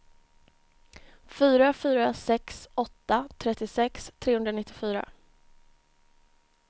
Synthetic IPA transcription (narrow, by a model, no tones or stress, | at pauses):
fyːɾafyːɾasɛksɔt̪ːat̪ʰɾɛt̪ːɪsɛkst̪ʰɾeːhɵnd̪ɾanɪt̪ːɪfyːɾa̰